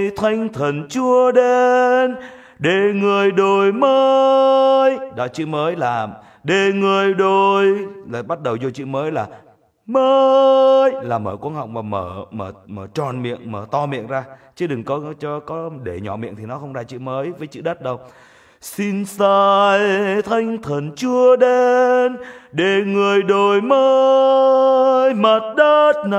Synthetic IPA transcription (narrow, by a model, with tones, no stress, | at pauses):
jt̪ʰwa˧jŋ̟t̪ʰə˨˩nt͡ɕu˧əɗe˧n | ɗe˨˩ŋɨ˨˩əjɗo˨˩jməː˧ | jɗɔ˨˦t͡ɕɨ̰˧˨məː˨˦jlaː˨˩ | ɗe˨˩ŋɨ˨˩əjɗo˨˩jlaː˨˩ɓa˦˥t̚ɗə˨˩wzo˧t͡ɕḭ˧˨məː˨˦jlaː˨˩ | məː˧jlaː˨˩məː˧˩kwa˧˦nha̰˧˨wŋ͡m̚maː˨˩məː˧˩məː˧˩məː˧˩t͡ɕɔ˨˩nmḭ˧˨ənməː˧˩t̪ɔ˧mḭ˧˨ənzaː˧t͡ɕi˨˦ɗɨ˨˩ŋkɔ˨˦t͡ɕɔ˧kɔ˨˦ɗe˧˩ɲɔ˧˩mḭ˧˨ənt̪ʰi˨˩nɔ˨˦xə˧wŋ͡mzaː˧t͡ɕḭ˧˨məː˨˦jvəː˨˦jt͡ɕɨ̰˧˨ɗə˦˥t̚ɗə˧˩w | si˧nsaː˧jt̪ʰa˧jŋ̟t̪ʰə˨˩nt͡ɕɨ˧əɗe˧nɗe˨˩ŋɨ˨˩əjɗo˨˩jməː˧˦ | jmə˨˩t̚ɗəː˦˥t̚n˧˩